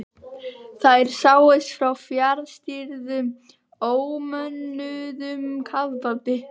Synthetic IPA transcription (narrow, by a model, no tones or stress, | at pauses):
θajɾ̥saːwɪst̪fɾawfjaɾðst̪iɾðʏm | oːwmœnːʏðʏmkʰaðpat̪ɪ